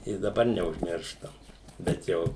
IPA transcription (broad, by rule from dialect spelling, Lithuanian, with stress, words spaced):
ɪ dɐˈbɐr nʲɛʊʒʲˈmʲɪrʃtɐm bʲɛt ˈjɛʊ